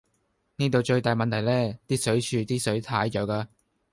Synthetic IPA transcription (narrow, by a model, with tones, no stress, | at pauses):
niː˥t̪̬o˨˧wt͡ʃɵ˧ɥt̪aː˨jmɐ˨nt̪ʰjlɛː˥t̪iː˥sɵ˨˥ɥt͡ʃʰyː˨˧t̪iː˥sɵ˨˥ɥt̪ʰaː˨˥jt͡ʃɔː˨˧˥kaː˧